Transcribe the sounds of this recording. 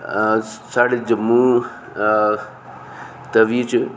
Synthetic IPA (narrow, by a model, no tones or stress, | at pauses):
saɽid͡ʒəmũ | t̪ɐʋit͡ʃʰ